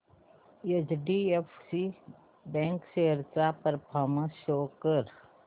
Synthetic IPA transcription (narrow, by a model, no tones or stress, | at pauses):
et͡ʃɖiepʰsi | bɛ̃ːŋkseɦɾt͡ʃapəɾpʰaːməʃoːkəɾ